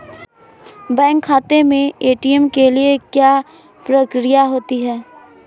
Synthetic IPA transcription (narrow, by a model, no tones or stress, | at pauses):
bɛ̃ːŋkʰːaːt̪emẽeːʈiəmkeliekjaː | pɾəkɾijaɦoːt̪iɦɛː